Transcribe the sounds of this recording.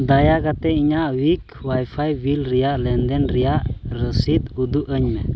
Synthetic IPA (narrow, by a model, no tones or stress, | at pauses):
d̪ajaɡat̪ɛiɲaʔwik | wajpʰajbilɾijaʔlɛnd̪ɛnɾijaʔɾəsit̪ud̪uʔəɲmɛ